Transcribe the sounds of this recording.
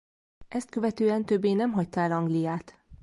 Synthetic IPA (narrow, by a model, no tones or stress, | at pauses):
ʔɛst̪kø̞vɛt̪øːɛnt̪øbːeːnɛmɦɒct̪ɒɛlɒŋɡlijaːt̪